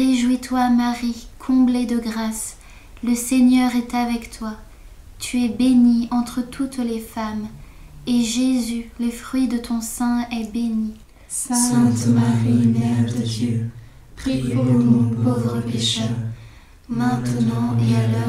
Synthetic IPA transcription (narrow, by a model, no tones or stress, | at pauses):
ʁeʒwit̪wamaʁikʰɔ̃bled̪əɡʁas | ləseɲœʁɛt̪avɛkt̪wa | t̪ʰyɛbeniɑ̃t̪χət̪ʰut̪lefam | eʒezyləfχɥid̪ət̪ɔ̃sɛ̃ɛbeni | sɛ̃sɛ̃t̪maʁinɛd̪əd̪jø | pχĩ | povʁəpeʃɛʁ | mɛ̃t̪nɑ̃ealɔ